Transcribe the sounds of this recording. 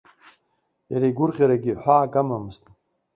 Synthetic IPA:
jaɾiɡʷʊrʁʲaɾaɡʲiħʷaːkʼamamɨztʼ

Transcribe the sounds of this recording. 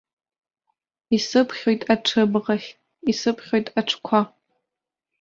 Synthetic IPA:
isɨpʰχʲojtʼaʈ͡ʂʰɨbʁaχʲtʼ | isɨpʰχʲo̞jtʼaʈ͡ʂʰkʷʰa

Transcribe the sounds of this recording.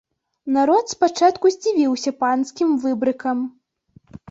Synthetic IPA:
naɾɔt̪spat͡ʂat̪kuzʲd͡zʲivʲiwsʲɐpanskʲimvɨbɾɨkɐm

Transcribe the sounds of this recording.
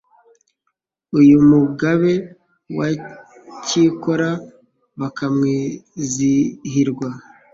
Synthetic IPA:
ujumuɡaβe̞ | wa | ciko̞ɾa | βakamŋiːziɦiɾɡwa

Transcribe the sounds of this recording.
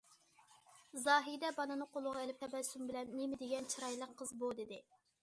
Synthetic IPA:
zɑːɦid̪ɛbɑnɨnɨqʰolˠʊʁɑelɪp̚t̪ʰɛbɛsymbɪlɛnːemɪd̪eɡʲɛnt͡ʃʰɨɾɑjlˠəqʰːəzbod̪ed̪ɪ

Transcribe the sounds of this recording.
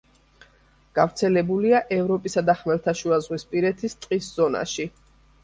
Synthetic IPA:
ɡ̥avɾt̪sʰɛlɛbuliaʔɛvɾɔpʼisad̪aχmɛlˠt̪ʰaʃuazʁwispʼiɾɛt̪ʰist̪ʼqʼisz̥ɔna̰ʃi

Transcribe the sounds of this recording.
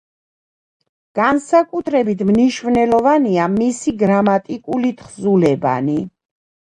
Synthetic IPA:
ɡ̥ansakʼut̪ʰɾɛbit̪ʰmniʃvnɛlɔvaniamisiɡɾamat̪ʼikʼulit̪ʰχzulɛba̰ni

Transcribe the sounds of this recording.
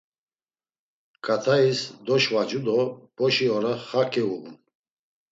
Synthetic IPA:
kʰʼat̪ʰaisd̪ɔʃvad͡ʒud̪ɔb̥ɔʃiɔɾaχakʰʼɛuʁṵn

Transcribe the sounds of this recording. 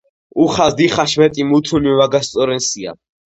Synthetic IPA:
uχazd̪iχaʃmɛt̪ʼimut̪ʰunivaɡast̪sʼɔɾɛnsia̰

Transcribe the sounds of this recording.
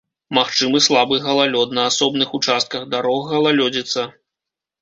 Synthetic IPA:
maxt͡ʂɨmɨslˠabɨɣɐlˠalʲɔt̪nɐːsɔbnɨxut͡ʂast̪̚kɐɣd̪aɾɔɣɣɐlˠalʲɔd͡zʲit̪sɐ

